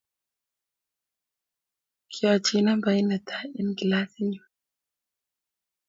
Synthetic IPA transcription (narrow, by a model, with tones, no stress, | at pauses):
kʰiwa˨t͡ʃina˦mba˨i˦na˨t̪ʰa˦i˦nɡi˨la˦θi˦ɲu˨